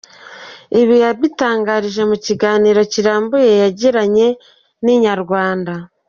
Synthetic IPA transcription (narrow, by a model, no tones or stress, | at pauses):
iβijaβitaːŋɡaɾiʒe̞muciɡaːniːɾo̞ciɾaːmbojejaɟiɾaɲe̞ | niɲaɾɡwaːnda